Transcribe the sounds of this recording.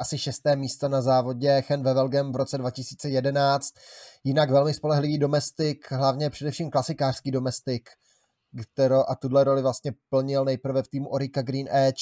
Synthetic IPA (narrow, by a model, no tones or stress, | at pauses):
ʔasɪʃɛst̪ɛːmiːst̪onazaːvo̞ɟɛxɛnvɛvɛlɡɛmvɾo̞t͡sɛdvacɪsiːt͡sɛjɛdɛnaːt͡st̪̚jɪnakvɛlmɪspo̞lɛɦlɪviːdo̞mɛst̪ɪkɦlavɲɛpr̥ɛdɛfʃiːmklasɪkaːr̥skiːdo̞mɛst̪ɪk | t̪ɛɾowʔat̪udlɛɾo̞lɪvlast̪ɲɛpl̩ɲɪlnɛjpɾ̩vɛft̪iːmuʔo̞ɾɪkaɡɾiːnʔɛt͡ʃ